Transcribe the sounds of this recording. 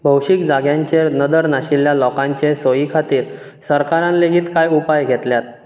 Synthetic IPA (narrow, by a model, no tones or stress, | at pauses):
bʱəwɕikd͡zaɡjãɲt͡ɕenəd̪əɾnaɕiljalɔkãɲt͡ɕesojikʰat̪iːɾ | səɾkaɾãnleɡiːt̪kajupajɡʱɛt̪ljat̪̚